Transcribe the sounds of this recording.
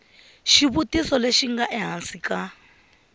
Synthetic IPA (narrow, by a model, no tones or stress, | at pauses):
ʃiβutisɔleʃiŋɡaʔɛɦansika